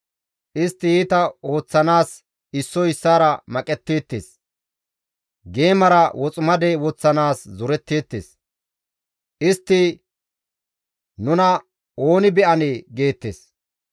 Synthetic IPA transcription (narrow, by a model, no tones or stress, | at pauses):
ʔɪst̪ːɪjiːt̪ɐo̞ːt͡sːɐnaːs | ɪsːɔɪsːaːɾɐmɐkʼɛt̪ːeːt̪ːeːs | ɡe̞ːmɐɾɐwɔt͡sʼʊmɐd̪ɛwɔt͡sːɐnaːszʊɾɛt̪ːe̞ːt̪ːḛːs | ʔɪst̪ːɪ | nʊnɐ | oːnɪbɛʔɐneːɡe̞ːt̪ːḛːs